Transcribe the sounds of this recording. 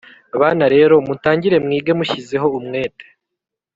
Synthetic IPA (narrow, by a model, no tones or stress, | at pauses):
aβaːnaɾe̞ːɾo̞mutaːɲɟiɾe̞mŋiːɡe̞muʃize̞ɦo̞umŋe̞ːte̥